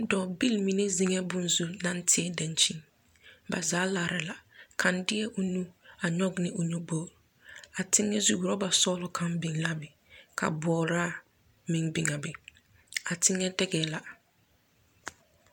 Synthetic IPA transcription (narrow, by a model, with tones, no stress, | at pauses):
dɔː˨bi˦lmi˨ne˦zi˨ŋɛ˦bʊ˨nzu˦nã˦ntʰɪ˦ɛ˦dã˨nt͡ʃi˦ŋ | ba˨zaː˨˦la˨ɾɪ˨la˨kʰã˨ndɪ˦ɛ˦ʔʊ˨nu˦a˨ɲɔ˦ɡnɪ˦ʔʊ˨nu˦boː˦ɾ | a˨tʰɪ˦ŋːɛ˦zu˦ɡɾɔ˦ba˨sɔ˦lʊ˨kʰa˦mbi˨ŋla˦bɪ˨ | kʰa̰˨bɔː˨˦ɾa˦˨ | mɪ˨ŋbɪ˨ŋa˨bɪ˨ | a˨tʰɪ˦ŋːɛ˦dɛ˦ɡɛ˨la˨